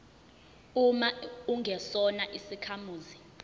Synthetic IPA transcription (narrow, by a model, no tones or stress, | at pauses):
umauŋʱɛsɔnaʔisikʰamuːzi